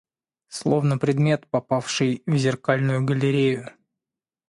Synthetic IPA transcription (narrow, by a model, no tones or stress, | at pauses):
slˠo̞vnəpɾʲɪd̪mʲe̞t̪pɐpafʂɨjvzʲɪrkalʲnʊjʊɡəlʲɪɾʲejʊ